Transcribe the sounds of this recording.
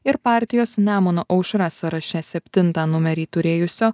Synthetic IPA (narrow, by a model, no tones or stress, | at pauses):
ɪɾpɑˑɾʲt̪ʲɪjoːsnʲæːmonoːʔɐʊʃɾɑːsɐɾɐʃʲɛsʲɛpʲt̪ʲɪnt̪ɑːnʊmʲɛɾʲiːt̪ʊɾʲeːjʊsʲoː